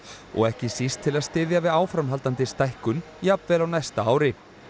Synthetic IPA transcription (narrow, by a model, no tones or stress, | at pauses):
ɔ̰ɣɛhcɪsist̪ʰːɪlaðst̪ɪːðjavɪðaːwfɾamɦalt̪ant̪ɪst̪ajhkʏn | japvɛːlawnajst̪aaːwɾɪ